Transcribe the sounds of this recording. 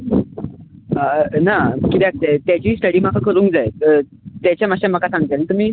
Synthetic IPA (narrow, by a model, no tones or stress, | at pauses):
ənakit̪ɛak̚t̪at̪jat͡ɕiːsʈəɽiːm̤akʰakəɾũːŋk̚d͡zajə | t̪jat͡ɕjamaɕaməkasãŋɡət̪anit̪um̤iː